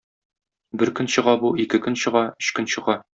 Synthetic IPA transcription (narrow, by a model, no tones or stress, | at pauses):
bɘɾkɵ̆nɕɤ̆ʁɑbuikɘkɵ̆nɕɤ̆ʁɑɵ̆ɕkɵnɕɤ̆ʁɑ